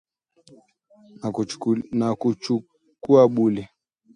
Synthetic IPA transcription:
nakut͡ʃu | kuaɓulɛ

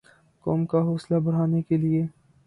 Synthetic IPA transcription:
kɔːmkaɦɔːslabɐɽ̤aːnekelieː

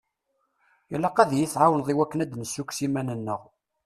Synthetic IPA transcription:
jælːæqæðjiθʕawənðˤiwækːənæd̪nəsːukʷsimænənːəʁ

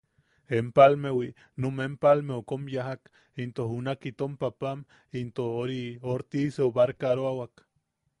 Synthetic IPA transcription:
empalmewi | nomempalmeokomjaɦak | int̪ohunakit̪ompapam | int̪ohoɾioɾt̪iseoβaɾkaɾoawak

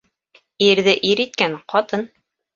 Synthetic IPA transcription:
iɾðɘʔiɾit̪̚kænqɑt̪ɤn

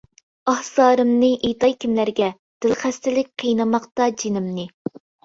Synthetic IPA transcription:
ɑhsɑːɾɨmnɨʔejt̪ɑjkʲʰimlæɾɡʲɛ | d̪̥ɪlχæst̪ɪlɪk̚ʲqʰijnɨmɑqt̪ɑd͡ʒinɪmnɨ

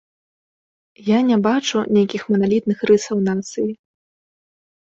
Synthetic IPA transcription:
janʲɛbat͡ʂunʲejkʲixmɐnalʲit̪̚nɨxrɨsɐwnat̪sɨji

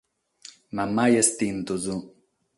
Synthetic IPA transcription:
mamajest̪int̪uzu

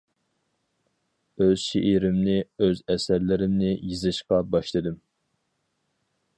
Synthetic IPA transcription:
øz̥ʃeʔiɾɪmnɪøzɛsæɾlɪɾɪmnɪjizɨʃqɑbɑʃlˠɨd̪ɨm

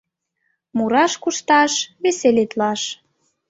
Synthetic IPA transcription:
muɾɑʃkuʃt̪ɑʃβeselet̪lɑʃ

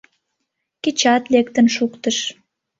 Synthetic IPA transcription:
ket͡ɕɑt̪lek̚t̪ə̆nʃukt̪əʃ

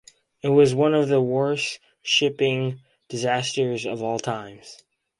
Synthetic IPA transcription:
ɨt̚wʌzwʌ̃nʌvðəwɔ˞s | ʃɪpɪ̃ŋ | d̥ɨzæstə˞zʌvɔlˠtʰãɪ̃mz̥

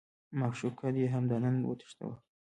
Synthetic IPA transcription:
maxʃukʰad̪jeɦamd̪anənwə̰t̪ə̥ʂt̪a̰wa̰

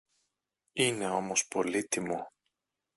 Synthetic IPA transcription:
ine̞o̞mo̞spo̞lit̪imo

